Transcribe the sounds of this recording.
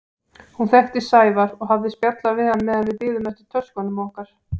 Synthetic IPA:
hunθɛht̪ɪsaːjvaɾɔɣɦavðɪspjat̪lavɪðhanːɛðanvɪðpɪːðʏmɛst̪ɪ̥t̪ʰœ̥skɔnʏmɔhkaɾ̥

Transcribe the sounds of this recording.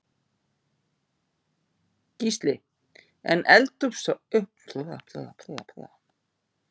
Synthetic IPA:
cist̪lɪ | ɛ̰nʔɛlt̪ʏpsɔʏhpʰlɔða̰pʰlɔ̰ða̰pʰɾɛɣapʰɾɛ̰ːɣa

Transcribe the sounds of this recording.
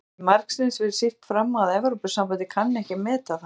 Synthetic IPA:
maɾksɪnsvɪɾ̥sɪft̪fɾamːaðɛvɾɔpʏ̥sampant̪ɪkʰanːɛhcɪmɛːt̪að

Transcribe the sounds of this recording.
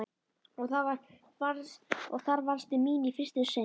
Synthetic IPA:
ɔɣθavaɾ | vaɾɔɣθaɾvaɾst̪ɪmiːnifɪr̥st̪ɪse

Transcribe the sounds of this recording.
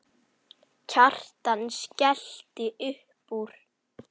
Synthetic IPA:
cʰar̥t̪anscɛl̥t̪ɪʔʏh | puɾ̥

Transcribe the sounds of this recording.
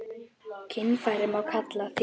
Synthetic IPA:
cʰɪnːfajɾɪmawkʰat̪laθi

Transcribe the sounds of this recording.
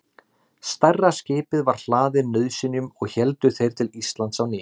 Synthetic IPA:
st̪arːascɪːpɪðvaɾ̥l̥aːðɪnœðsɪnʏmɔɣçɛlt̪ʏθejɾ̥t̪ʰɪlist̪lant̪sawnɪː

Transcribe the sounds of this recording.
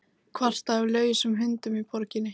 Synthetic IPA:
kʰvar̥t̪aɛɾlœːɥjɪsʏmɦʏnt̪ʏmipʰɔɾcɪnːɪ

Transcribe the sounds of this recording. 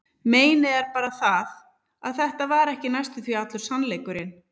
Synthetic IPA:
meːjnɪɛɾpaːɾaθað | aðθɛht̪avaɾɛhcɪnajst̪ʏθviat̪lʏɾsanleːjkʏɾɪn

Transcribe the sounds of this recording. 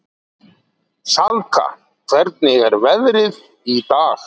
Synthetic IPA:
salka̰ | kʰvɛɾt̪̚nɪɣɛɾvɛðɾɪð | it̪aːx

